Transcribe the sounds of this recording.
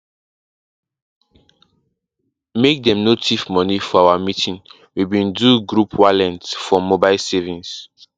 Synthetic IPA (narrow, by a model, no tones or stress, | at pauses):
mek̚dɛ̃mnotʰifmɔnifɔawamitʰĩn | wibĩnduɡɹupʰwalɛ̃ntfɔmobaɪlsɛvĩns